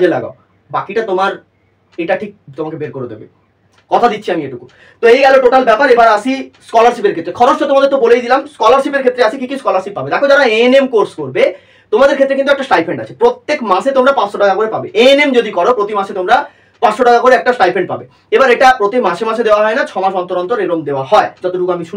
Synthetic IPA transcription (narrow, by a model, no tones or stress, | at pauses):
d͡ʑela̰ɡa̰o | bakiʈat̪omaɾ | eʈaʈʰik̚t̪omakebeɾkoɾed̪ḛbḛ | kɔt̪ʰad̪itːʰiamieʈuku | t̪oejɡɛloʈoʈalbɛpaɾebaɾaʃʰiskɔlaɾʃipeɾkʰet̪ːɾekʰɔɾost̪ot̪omad̪eɾt̪obolejd̪ilamskɔlaɾʃipeɾkʰet̪ːɾeaʃʰikikiskɔlaɾʃip̚ːabed̪ɛkʰod͡ʑaɾaenemkoɾskoɾbe | t̪omad̪eɾkʰet̪ːɾekint̪ɛkʈasʈajfʰeɳɖa̰t͡ɕʰe̥pɾot̪ːekmaʃet̪omɾapãʃoʈakakoɾepabeʔenemd͡ʑod̪ikɔɾopɾot̪imaʃet̪omɾa | pãʃoʈakakoɾeɛk̚ʈasʈajfʰeɳɖ̚pa̰be | ebaɾeʈapɾot̪imaʃemaʃed̪eoaɦɔenat͡ɕʰɔmãʃɔnt̪oɾɔnt̪oɾeɾomd̪eoaɦɔed͡ʑɔt̪oɖukamiʃu